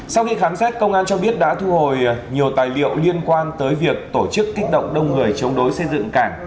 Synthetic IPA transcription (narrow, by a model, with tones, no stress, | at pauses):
sa˧wxi˧xaː˨˦msɛ˦˥t̚kə˧wŋ͡mʔaː˧nt͡ɕɔ˧ɓi˦˥ət̚ɗa̰ː˧˥t̪ʰu˧ho˨˩jɲi˨˩əwt̪aː˨˩jlḭ˧˨əwli˧ənkwaː˧nt̪əː˨˦jvi˨˩ək̚t̪o˧˩t͡ɕɨ˦˥kːi˦˥k̟̚ɗə̰˧˨wŋ͡mɗə˧wŋ͡mŋɨ˨˩əjt͡ɕə˨˦ŋ͡mɗo˨˦jsə˧jzɨ̰˧˨ŋkaː˧˩ŋ